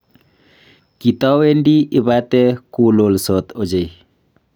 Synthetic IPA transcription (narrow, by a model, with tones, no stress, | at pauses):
ki˨t̪ɔ˦we˦ndi˦ɪ˨ba˦t̪ɛ˦kulo˨lsɔ˨t̪o˨d͡ʒe˨j